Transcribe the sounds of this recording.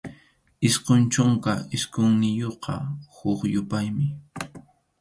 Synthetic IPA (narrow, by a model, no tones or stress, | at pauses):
ɪsqont͡ʃoŋkaɪskoŋnɪjoqɑ̰hʊkjʊpajmɪ